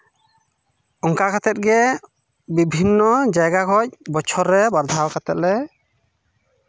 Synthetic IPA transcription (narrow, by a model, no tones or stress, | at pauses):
ɔŋkakʰat̪ɛt̪̚ɡɛ | bibʱinːɔd͡ʒajɡakʰɔc̚bɔt͡ʃʰɔɾːɛbaɾd̪ʱawkʰat̪ɛt̪̚lɛ